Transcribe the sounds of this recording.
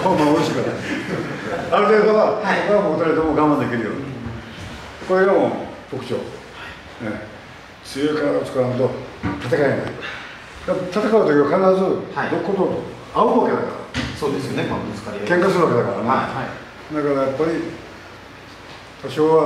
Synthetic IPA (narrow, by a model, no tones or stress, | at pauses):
komaɾoɕikaɾa | aɾɯ̟t̪e̞ːd̪o̞aokeamot̪aɾaɾet̪̬emo̞ɡãmbãnd̪e̞kʲiɾɯjo̞̰ːni | koɾeɾamonopo̞kɯ̟̥t͡ɕo̰ː | ne | t͡sɨjekaɾaot͡sɨ̥kaɾanɯt̪o̞t̪ʰat̪̬akaimki | d̪at̪at̪akaɯ̟t̪o̞kʲiβakanaɾazɨd̪okːot̪oo | aoβake̞d̪a̰ka̰ɾa̰sod̪esjonemit͡skaɾikẽŋkasɨɾɯβake̞d̪akaɾa̰ne | d̪akaɾajapːaɾʲi | t̪aɕo̞ːβa